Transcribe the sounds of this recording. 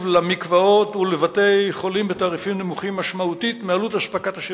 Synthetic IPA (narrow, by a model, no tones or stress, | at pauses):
vlamikvao̞t̪ulevate̞jχo̞limbet̪aːʁifimnemuχimːaʃmaut̪it̪mealutaʃpakat̪aʃe